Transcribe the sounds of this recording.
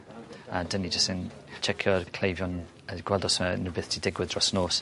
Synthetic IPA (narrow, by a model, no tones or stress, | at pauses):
adənid͡ʒəstɪnt͡ʃʰɛkʰjɔrkʰl̥ejvjɔn | əɡ̥wɛlˠdɔsənɪbɪθtʰidɪɡwɪðrɔsnoːs